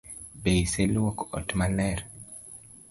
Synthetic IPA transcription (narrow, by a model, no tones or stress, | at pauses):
beiselwɔkɔ̰tmalɛɾ